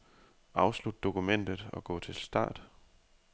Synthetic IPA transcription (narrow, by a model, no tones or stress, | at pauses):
ɑ̈ʊslud̥̚ːo̝kʰumen̰d̥ð̩ˠɒ̽ɡ̥ɔ̰̽ːt͡sʰe̝lsd̥ɑ̰̈ːd̥